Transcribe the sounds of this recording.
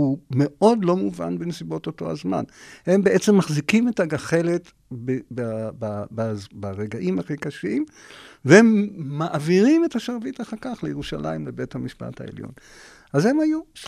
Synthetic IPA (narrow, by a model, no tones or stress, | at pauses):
ume̞ʔo̞dlo̞muva̰nbenesibo̞toto̞̰a̰zma̰nhe̞mbeʔet͡se̞mːaχzikime̞taɡaχe̞le̞t | bebababazbaʁeɡaʔimhaχikaʃimvehemːaʔaviʁime̞thaʃaʁvitaχakaχlejeʁuʃalʔa̰imlebe̞thamiʃpa̰tha̰ḛljo̰n | aze̞maju